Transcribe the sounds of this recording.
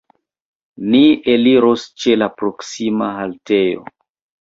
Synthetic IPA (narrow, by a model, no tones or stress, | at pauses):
nieliɾost͡ʃe̞lapɾoksimaɦalte̞jo̰